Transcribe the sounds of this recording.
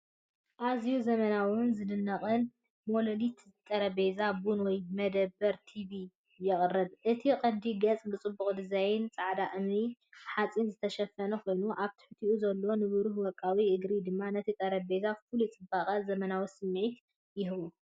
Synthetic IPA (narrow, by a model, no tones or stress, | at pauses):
ʔazijuzɐmɐnawʊnzɨdɨnːɐχʼɨn | mololit̪t̪ʼɐɾɐbe̞zabunwɔjmɐd̪ɐbːɐɾt̪ʰiβi | jɛχʼɨrːɨd̪ʔɨt̪ʰiqʼɐd̪iɡɐt͡sʼbɨt͡sʼɨbːuχʼd̪ɨzajɪnt͡sʼaʕd̪aʔɨmniħat͡sʼinzɨt̪ʰɐʃɐfːɐnɐkʰo̞jnuʔaβt̪ʰɨ̥ħt̪ʰiʔuzɐlːonɨβɨɾuhwɔkʼːawiʔɨɡɾid̪ɨmːanɐt̪ʰit̪ʼɐɾɐbe̞zafɨlɪt͡sʼɨbaχʼɐzɐmɐnawisɨmːʕit̪ | jɪɦβu